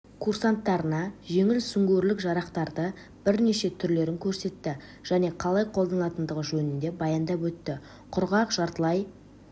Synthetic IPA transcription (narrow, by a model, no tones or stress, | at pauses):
kʰursant̪ːɑɾənɑʒe̞ŋɪlsʏŋɡʲeɾlɪkʒɑɾɑqt̪ɑɾd̪ə | b̥ɪɾne̞ʃe̞t̪ʰʏɾle̞ɾɪŋkʲʰɵɾse̞t̪ːɪ | ʒ̥æne̞qʰɑlˠɑjqʰolˠd̪ɑnəlˠɑt̪ənd̪əʁəʒɵnɪnd̪e̞bɑjɑnd̪ɑpwɵt̪ːɪ | qʰʊɾʁɑqʒ̥ɑɾt̪əlˠɑj